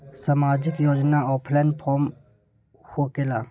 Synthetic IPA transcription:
samaːd͡ʒɪkjoːd͡ʒnaɔːpʰlanpʰɔːm | hoːkelaː

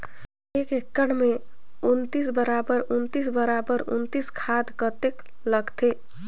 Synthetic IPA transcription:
ekekːəɽ̃me | unt̪is̬bəɾabəɾunt̪is̬bəɾabəɾṵnt̪iskʰad̪kət̪ek | ləɡt̪ʰe

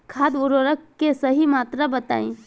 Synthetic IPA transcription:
kʰaːd̪ʊɾoːɾəkːesəɦimaːt̪ɾabət̪a̰ːẽ

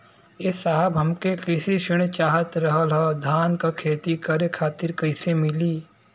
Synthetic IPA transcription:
esaɦəbɦɐmkekɪsiʃɪɽ̃t͡ʃaːɦət̪ɾɐɦəlɦəd̪ʱaːnkakʰeːt̪ikɐɾekʰaːt̪ɪɾkɐɪsemɪliː

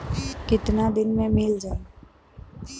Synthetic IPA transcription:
kɪt̪nad̪ɪnmẽmɪld͡ʒaːe

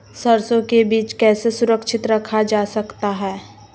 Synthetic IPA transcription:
sɐɾsõkebiːt͡ʃkɛːsesʊɾəkʃɪt̪ɾɐkʰad͡ʒaːsɐkt̪aɦɛː

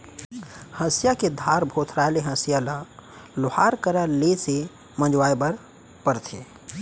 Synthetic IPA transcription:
hə̃sjaked̪ʱaːɾbʱoːt̪ʰɾaeleɦə̃sijalalʊhaːɾkəɾalese | mə̃d͡ʒwaːjbəɾ | pəɾt̪ʰḛː

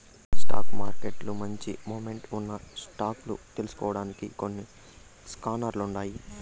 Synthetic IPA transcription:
sʈa̰ːkmaːɾkeʈlumɐɲt͡ʃimoːmeɳʈunːɐsʈaːklṵt̪e̞lusu̥kɔːʋɐɽaːnikiko̞nːi | skaːnaːɾluuɳɖaːji

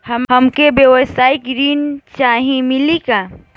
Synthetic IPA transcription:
həmhəmkebjəwəsaikɾint͡ʃaɦĩmilika

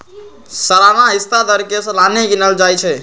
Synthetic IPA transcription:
səlanaɦist̪ad̪əɾkesəlaneɡinəld͡ʒajt͡ʃʰɛ

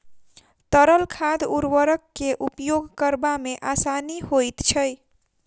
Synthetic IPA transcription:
t̪əɾəlkʰad̪uɾwəɾəkːeʔupjoɡkəɾbameʔasanihojt̪t͡ʃʰəj

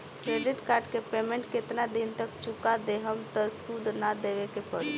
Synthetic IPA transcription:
kɾeɖiʈkaɾɖkepemeɳʈkɪt̪nad̪int̪ək̚t͡ʃukad̪eɦəmt̪əsud̪ʱnad̪eʋekepəɽi

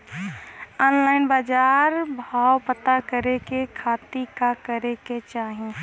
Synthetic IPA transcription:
ɔːnlaːɪnbaːd͡ʒaːɾbʱaːwpət̪akəɾekekʰaːt̪ikakəɾeket͡ʃaːɦĩ

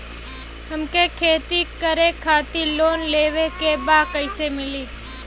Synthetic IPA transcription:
ɦəmkekʰeːt̪ikəɾekʰːaːt̪iloːnleːʋekebaːkəɪsemɪliː

